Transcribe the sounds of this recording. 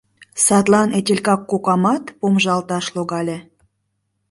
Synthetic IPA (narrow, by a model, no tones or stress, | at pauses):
sɑt̪lˠɑnetʲelʲkɑkːokɑmɑt̪pomʒɑlt̪ɑʃloɣɑlʲĕ